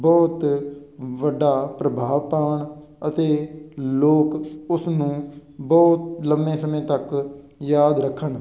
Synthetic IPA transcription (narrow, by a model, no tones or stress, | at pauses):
bɔːt̪ | ʋəɖːaːpɾəbʱaːʋpaːəɳ | ət̪eːloːkʊsnũːbɔːt̪̚ləmẽːsəmẽːt̪ək | jaːd̪ɾəkʰːəɳ